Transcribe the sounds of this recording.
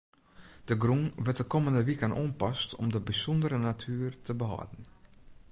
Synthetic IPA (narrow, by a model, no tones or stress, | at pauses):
d̥əɡruŋʋət̚dəkoməndəʋikənʔoːnpɔstʰɔ̰mdəbisɔndəɾənatʰyːərtʰəbəɦɔ̰dn̩